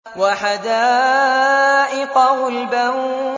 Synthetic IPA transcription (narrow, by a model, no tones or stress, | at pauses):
waħad̪aː | ʔɪqɑhʊlba